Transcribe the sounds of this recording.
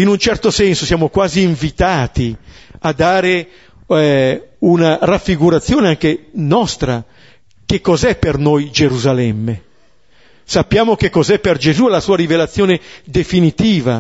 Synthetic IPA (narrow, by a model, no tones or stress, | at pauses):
inunt͡ʃɛrt̪osɛnsosjaːmokwaːziːɱvit̪aːt̪iad̪ːaːɾe | ɛunarafːiɡuɾat̪sːjoːneaŋk̟enɔst̪ɾa | k̟ekːɔzɛpːernojd͡ʒeɾuzalɛmːe | sapːjaːmok̟ekːɔzɛpːerd͡ʒezuɛlasuːaɾivelat̪sːjoːned̪efinit̪iːva̰